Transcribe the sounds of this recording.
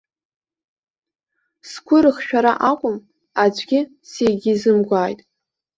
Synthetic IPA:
skʷʰʊɾɨχʃᶣaɾa̰ʔakʷʼʊm | ad͡ʒʷʼɡʲɪ | sejɡʲizɨmɡʷaːjtʼ

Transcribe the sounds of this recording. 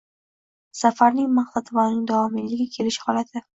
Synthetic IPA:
safaɾnɪŋmaχt̪at̪ʰvɒnɪŋd̪ɒmɪlːɪɡʲɪkʲʰe̞lɪʃhɒlat̪ʰɪ

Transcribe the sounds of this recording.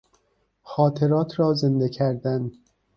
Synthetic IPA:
xɒːt̪ʰe̞ɾɒːt̪ʰɾɒːze̞nd̪ecʰæɾd̪æn

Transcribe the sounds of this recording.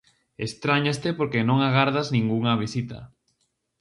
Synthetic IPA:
est̪ɾaɲast̪epoɾkenõŋaɣaɾðaznĩŋɡuŋɐβ̞isit̪a̰

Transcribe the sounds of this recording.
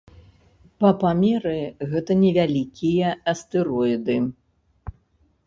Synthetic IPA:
pɐpamʲɛɾɨɣɛt̪ɐnʲɛvʲalʲikʲijɐɐst̪ɨɾɔid̪ɨ

